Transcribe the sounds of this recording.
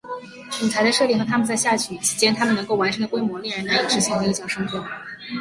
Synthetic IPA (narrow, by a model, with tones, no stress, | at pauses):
ʈ͡ʂu˨˩t͡sʰa˧˥d̪ə˧ʂɤ˥˧li˥˩xɤ˧˥t̪ʰa˥mə˨nt͡sa˥˧ɪɕja˥˩t͡ɕʰy˥˩t͡ɕʰi̥˧˥t͡ɕjɛ˥nt̪ʰa˥mə˨nɤ˧˥ŋko˥˩ʊwa˧˥nʈ͡ʂʰɤ˧˥ŋd̪ə˨kwɪmwɔ˧˥ljɻə˧˥na˧˥i˨˩ʈ͡ʂɻ̩˧˥ɕi˧˥ŋwe˧˥i˥˩t͡ɕjɑ˨˩ʊʂɤ˥ŋtʰwɔ˥˩